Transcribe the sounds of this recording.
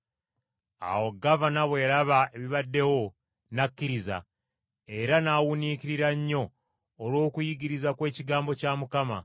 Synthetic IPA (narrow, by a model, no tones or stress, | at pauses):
a̰wo̞ɡavanaβwe̞ːɾaβae̞βiβadːe̞wo̞ | nakːiɾiza̰ | e̞ɾanaːwuniciɾiɾaɲːo̞ː | lwo̞ːkujiɡiɾizakwe̞ːciɡaːmbo̞caːmukama